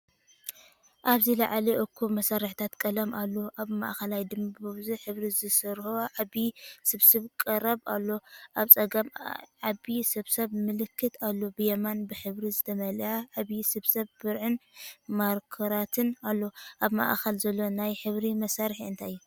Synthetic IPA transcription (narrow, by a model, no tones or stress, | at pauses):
ʔaβzila̰ʕliʔokʰːumɐsaɾɨħt̪ʰat̪kʼɐlɐmʔalːoʔaβma̰ʔxɐlajd̪ɨmbɨβzɨħɨβɾizɨsɨɾhoʕabisɨβsɨβkʼɨɾɐβalːoʔaβt͡sʼɐɡɐmʕaβisɐβsɐβmɨlɨkʰːɨt̪ʰalːobɨjɐmanbɨħɨβɾizɨt̪ʰɐmɐljaʕaβisɐβsɐβbɨɾʕɨnmaɾkʰɐɾat̪ʰɨnalːo̞ʔaβma̰ʔxɐlzɐlːo̞najħɨβɾimɐsaɾħiɨnt̪ʰajːu